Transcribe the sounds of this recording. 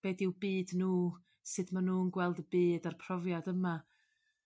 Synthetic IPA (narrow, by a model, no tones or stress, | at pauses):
b̥eːdɪwbiːdnuː | sɨdmanuːənɡwɛlˠdəbiːdarpʰrɔvjadəma